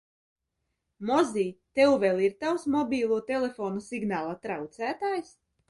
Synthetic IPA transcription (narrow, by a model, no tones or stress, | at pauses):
mɔziːt̪ɛwveːlˠiɾt̪awsmɔbʲiːlˠuːt̪elʲefoːnusiɡnaːlˠat̪ɾawt̪sæːt̪aːjs